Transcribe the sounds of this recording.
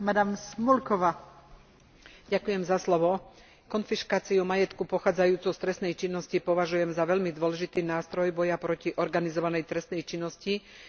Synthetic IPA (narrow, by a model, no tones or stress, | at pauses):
mad̪amsmulkɔʋa | ɟakujɛmzaslɔʋɔ | kɔnfiʃkaːt͡siumajɛt̪kupɔxaːd͡zajuːt͡sɔʊst̪ɾɛsnɛjt͡ʃinːɔscipɔʋaʒujɛmzaʋɛʎmid̪ʊɔlɛʒit̪iːnaːst̪ɾɔjbɔjapɾɔciʔɔɾɡanizɔʋanɛjt̪ɾɛst̪nɛjt͡ʃinːɔsci